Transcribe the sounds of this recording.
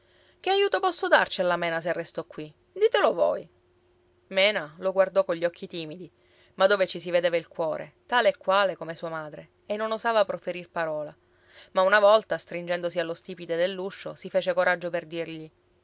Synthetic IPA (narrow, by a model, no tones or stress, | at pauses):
k̟eajuːt̪opɔsːod̪a̰rt͡ʃialːamɛːnas̬erːest̪ɔkːwi | d̪iːt̪elovo̰j | mɛːnaloɡward̪ɔkoʎːɔkʰːit̪iːmid̪i | mad̪ːoːvet͡ʃisived̪eːvailkwɔːɾḛt̪aːleːkːwaːlekomesuːamaːd̪ɾe | enːonozaːvapɾofeɾirpaɾɔːla | maunavɔlt̪ast̪ɾind͡ʒɛnd̪osialːost̪iːpid̪ed̪elːuʃːo̰sifeːt͡ʃekoɾʔad͡ʒːoperd̪irʎi